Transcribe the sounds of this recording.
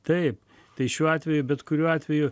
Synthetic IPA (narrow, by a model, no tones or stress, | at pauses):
t̪ɐɪp | t̪ɐɪʃʲuːɑːt̪ʲʋʲɛjʊbʲɛt̪kʊɾʲuːɑːt̪ʲʋʲɛjʊ